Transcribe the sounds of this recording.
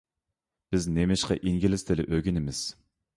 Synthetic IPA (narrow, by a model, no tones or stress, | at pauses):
b̥ɪznemɪʃqɑ̰ʔiŋɡʲilɪst̪ɪlɪʔøɡʲinɪmɪz̥